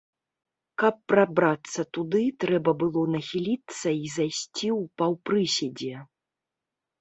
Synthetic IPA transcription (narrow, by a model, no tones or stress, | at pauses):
kɐpːɾabɾat̪sːɐt̪ud̪ɨt̪ɾɛbɐbɨlˠɔnɐxʲilʲit̪sːɐizajsʲt͡sʲiwpɐwpɾɨsʲɛd͡zʲɛ